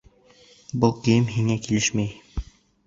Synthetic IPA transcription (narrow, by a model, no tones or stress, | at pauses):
bulˠkĭjɘmɦiŋækilɘʃmæj